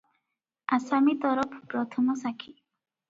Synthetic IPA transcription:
asamit̪ɔɾɔpʰpɾɔt̪ʰɔmɔsakʰi

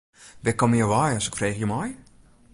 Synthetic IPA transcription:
bɛkɔmiəʋajɔsɪkfreːxjəmɔj

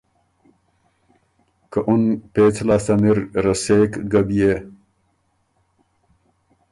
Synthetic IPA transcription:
kəʔunpeːt͡sʰlaːsaniɾɾɐsekɡɐbije

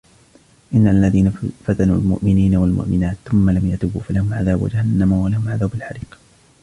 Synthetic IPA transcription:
ʔɪnːaalːaðiːnafat̪anuːlmʊ̰ʔmɪniːnawalmʊ̰ʔmɪnaːt̪θʊmːalamjat̪ʊbṵːfalahʊmʕaðaːbwa̰d͡ʒahanːamawalahʊmʕaðaːbalħaɾiːq

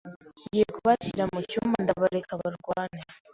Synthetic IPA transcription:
ɟijekuβaciɾamucuːmbandaβaɾekʰaβaɾɡwaːne

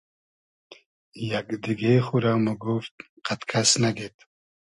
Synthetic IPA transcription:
jakd̪iɡexuɾaːmuɡuft̪̚ | qat̪kʰasnaɡet̪

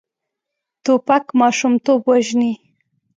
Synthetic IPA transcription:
t̪opakmɑʃumt̪obwaʒni

